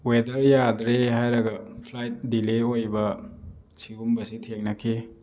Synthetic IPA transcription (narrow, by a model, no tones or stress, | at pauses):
wedɐɾjadɾehajɾɐɡɐpʰlajt̚dileojbɐ | siɡumbɐsitʰeŋnɐkʰi